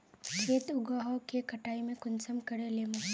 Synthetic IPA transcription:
kʰeːt̪ʊɡaːɦɔkekɐʈaːimẽkʊnsəmkɐɾeleːmõ

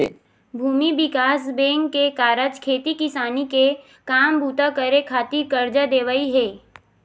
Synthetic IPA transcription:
bʱuːmibɪkaːs̬bẽːŋkːekaːɾəd͡ʒkʰeːt̪ikɪsaːnike | kaːmbuːt̪akəɾekʰaːt̪iɾkəɾd͡ʒad̪eːʋəiɦɛː

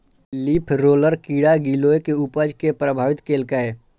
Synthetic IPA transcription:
liːpʰɾoːləɾkiːɽaɡiloːekeupəd͡ʒkepɾəbʱaːʋɪt̪keːlkəe

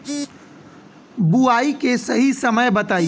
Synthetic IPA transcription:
buaːikesɐɦisɐməjbɐt̪aːi

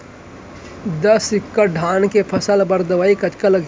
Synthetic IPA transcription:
d̪əsɪkːəɖʱaːnkepʰɐsəlbɐɾd̪əʋaːikɐt͡ʃkələɡ

